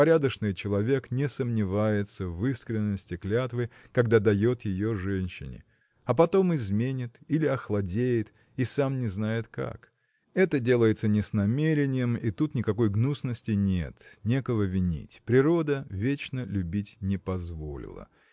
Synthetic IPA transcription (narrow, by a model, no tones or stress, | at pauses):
pɐɾʲad̪əʂnɨjt͡ɕɪlˠɐvʲe̞knʲɪsəmnʲɪvajɪt̪səvɨskɾʲɪnːəsʲtʲɪklʲat̪vɨjkɐɡd̪ad̪ɐjo̞t̪jɪjo̞ʐɛnʲɕːɪ̰nʲɪ̰ | ɐp̬ɐt̪o̞mɪzmʲenʲɪt̪ilʲɪɐxlˠɐdʲejɪt̪ | isamnʲɪznajɪt̪ka̰k | ɛt̪ədʲe̞lˠəjɪt̪sənʲɪsnɐmʲeɾʲɪnʲɪjəmit̪ut̪nʲɪkɐko̞jɡnusnəsʲtʲɪnʲe̞̰t̪nʲe̞kəvəvʲɪnʲḭtʲpɾʲɪɾo̞d̪əvʲet͡ɕnəlʲʉbʲitʲnʲɪpɐzvo̞̰lʲɪ̰lˠə̰